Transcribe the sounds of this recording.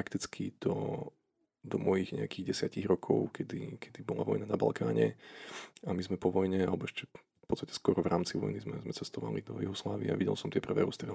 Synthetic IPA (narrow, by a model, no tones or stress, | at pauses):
ɾakt̪it͡skʰid̪̥ɔ | d̪ɔmɔjiɣɲɛ̰akiɣɟɛsɪaciɣɾɔkʰɔʊkʰɛd̪ikʰɛd̪ibɔla̰ʋɔjnanaba̰lkʰaːɲɛ | amizmɛpɔʋɔjɲɛalɛbɔɛʃcɛ | pɔtt͡st̪acɛ̥skwɔɾɔvɾaːmt͡siʋɔjnizmɛzmɛt͡sɛst̪ɔʋa̰lḭd̪ɔjuɦɔslaːʋḭaaʋiɟɛ̰lsɔmt̪ɪɛpr̩ʋɛ̰ːɾust̪ɾɛ